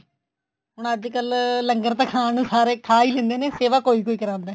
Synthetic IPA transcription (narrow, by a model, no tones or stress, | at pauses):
ɦʊɳəd͡ʒkəlləŋɡəɾt̪ãːkʰaːnũːsaːɾeːkʰaːiːlẽːnd̪eːneːseːʋaːkoːiːkoːiːkəɾãːnd̪eː